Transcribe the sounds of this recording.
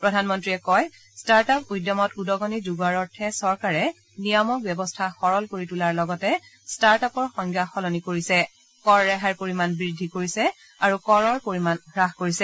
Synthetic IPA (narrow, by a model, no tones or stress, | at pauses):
pɹɔdʱanmɔntɹiɛkɔj | staɹtapujdːɔmɔtudɔɡɔnizuɡaɹɔɹtʰɛsɔɹkaɹɛ | nijɔmɔk̚bɛbɔstʰaxɔɹɔlkoɹitulaɹlɔɡɔtɛ | staɹtapɔɹxɔŋɡjaxɔlɔnikoɹisɛ | kɔɹːɛɦaɹpoɹimanbɹidʱikoɹisɛ | aɹukɔɹɔɹpoɹimanɡɹaɦkoɹisɛ